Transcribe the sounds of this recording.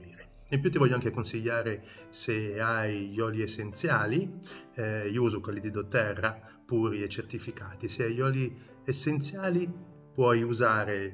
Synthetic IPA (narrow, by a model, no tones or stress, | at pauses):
iːɾe | impjut̪̬ːivɔʎːoaŋk̟ekonsiʎːaːɾe | seajʎɔːliesːent̪sjaːli | uːzokwelːid̪id̪ot̪ːɛrːa | puːɾiet͡ʃːert̪ifikaːt̪iseajɔːli | esːent̪sjaːli | pwɔjuzaːɾe